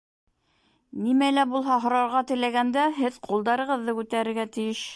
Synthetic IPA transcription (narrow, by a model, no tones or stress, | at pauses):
nimælæbulˠɦɑɦŏɾɑɾʁɑt̪ɘ̆læɡænd̪æɦɘðqʰulˠd̪ɑɾɤ̆ʁɤ̆ðːɤkʉt̪æɾɘ̆ɾɡæt̪ɘ̆jɘʃ